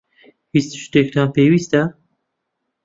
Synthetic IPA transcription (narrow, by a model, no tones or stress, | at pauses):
hist̪ʃɨ̥t̪ek̪̚ɑːnpeːwiːst̪æ